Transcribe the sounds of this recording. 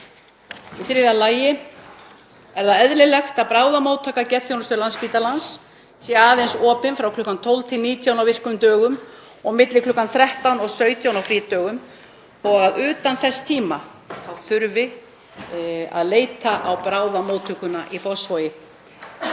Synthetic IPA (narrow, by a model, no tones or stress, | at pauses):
iθɾɪðalaːjɪ | ɛɾðaɛðlɪlɛxt̪aðpɾaːwðamowt̪ʰaːkacɛθjownst̪ʏɾlanspiːt̪alans | sjɛɛaːðejnsɔːpɪnfɾawkʰlʏːkːant̪ʰɔwlt̪ʰɪniːt̪ʰjawnawvɪr̥kʏmt̪œːɣʏm | ɔɣmɪt̪lɪkʰlʏːkːanθɾɛht̪awnɔɣsœːɥt̪ʰjawnawfɾiːt̪œːɣʏm | ɔɣaðʏːt̪anθɛsːt̪ʰiːma | awθʏɾvɪ | a̰ðleːjt̪aʔawpɾaːwðamoːwt̪ʰʏkʏnaʔifɔsfojɪ